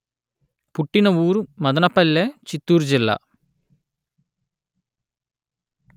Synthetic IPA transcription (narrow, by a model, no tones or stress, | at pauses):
puʈːinɐuːɾumɐd̪ɐnɐpɐlːeːt͡ʃit̪ːuːɾud͡ʒilːa̰ː